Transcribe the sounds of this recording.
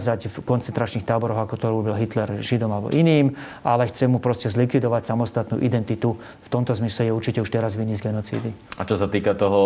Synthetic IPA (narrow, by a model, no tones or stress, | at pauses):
zacfkɔnt͡sɛnt̪ɾat͡ʃniːxt̪aːbɔɾɔɣakɔt̪ɔɾuːbɔlɦit̪lɛɾʒid̪ɔmalbɔ̰ʔiniːm | ʔalɛxt͡sɛmːupɾɔscɛzlikʋid̪ɔʋacsamɔst̪at̪nṵːʔid̪ɛnt̪it̪u | ft̪ɔmt̪ɔzmislɛjɛuɾt͡ʃicɛuʃt̪ɛɾazʋiɲizɡɛnɔt͡sḭːd̪iat͡ʃɔsat̪iːkat̪ɔɦɔ